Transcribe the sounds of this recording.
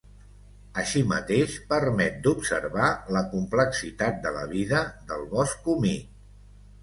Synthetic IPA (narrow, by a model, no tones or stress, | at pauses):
əʃimə̰t̪eʃpəɾmɛt̪̚d̪upsə̰rβaləkumpləksit̪at̪̚d̪ələ̰β̞iðəðəlˠβɔskumi